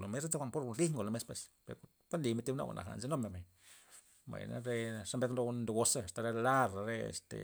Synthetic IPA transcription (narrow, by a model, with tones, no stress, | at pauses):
lo˨me˦se˦t̪a˦kʷa˨npo˦ɾli˦ŋɡo˨lo˨me˧˦spwe˧spḛ˨ɾk | ka˦nli˧me˧t̪i˦bna̰˦˨a̰˨nʔa̰˨xa̰˨nze˧˦no˦me˧˨me˨ | ba̰˨jna̰˦ɾe˧ʂa˦mbe˧ðlo˧nd̪u˧ɡo˧sa˦˨st̪a˧ɾe˧la˦ɾa˨ɾe˧ḛ˨st̪ḛ˨